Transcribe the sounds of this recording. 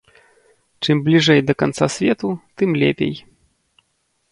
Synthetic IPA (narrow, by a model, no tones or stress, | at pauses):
t͡ʂɨmblʲiʐɛjd̪ɐkant̪sasʲvʲɛt̪ut̪ɨmlʲɛ̰pʲḛj